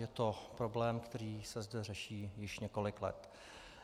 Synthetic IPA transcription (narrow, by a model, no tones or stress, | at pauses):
jɛt̪opɾoblɛːmkt̪ɛɾiːsɛzdɛrɛʃiːjɪʃɲɛko̞lɪklɛ̰t̪